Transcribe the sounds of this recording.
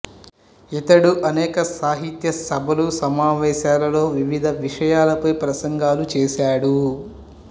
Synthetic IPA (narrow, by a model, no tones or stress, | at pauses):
it̪ɐɽuʔɐnɛːkɐsaːɦit̪jɐsɐbʱɐlusɐmaːʋɛːʃaːlɐlo̞ːʋiʋid̪ʱɐʋiʂɐjaːlɐpɐjpɾɐsɐŋɡaːlut͡ʃɛːʃaːɽu